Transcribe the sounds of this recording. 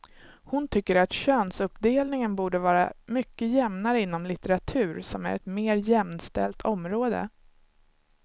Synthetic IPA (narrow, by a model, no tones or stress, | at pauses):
hʊnt̪ʰʏkːəɾat̪ɕøːnsɵpd̪eːlnɪŋənbuːɖəvɑːɾa̰mʏkːəjɛmnaɾəɪnːɔmlɪt̪ɛɾat̪ʰʉ̟ːɾsɔmæ̰ɾɛ̰t̪meːɾjɛmnst̪ɛ̰lt̪ʰɔmɾoːd̪ə̰